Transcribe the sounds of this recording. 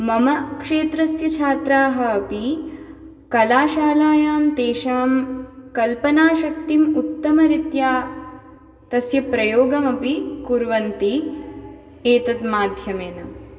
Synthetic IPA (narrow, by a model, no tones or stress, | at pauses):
mɐmɐkʂeːt̪ɾɐsjɐt͡ʃʰaːt̪ɾaːɦɐːpi | kɐlaːʃaːlaːjaːmt̪eːʃaːmkɐlpɐnaːʃɐk̚t̪imut̪ːɐmɐɾit̪jaː | t̪ɐsjɐpɾɐjoːɡɐmɐpikuɾʋɐnt̪i | eːt̪ɐt̪maːd̪ʱjɐmeːnɐm